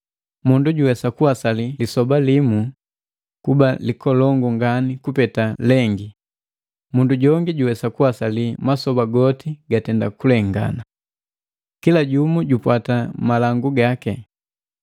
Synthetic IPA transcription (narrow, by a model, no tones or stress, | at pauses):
munduɟuwɛsakuwasalilisɔbalimu | kubalikɔlɔŋɡuŋɡanikupɛtalɛŋɡi | munduɟɔŋɡiɟuwɛsakuwasalimasɔbaɡɔtiɡatɛndakulɛŋɡa̰na | kilaɟumuɟupwatamalaŋɡuɡakɛ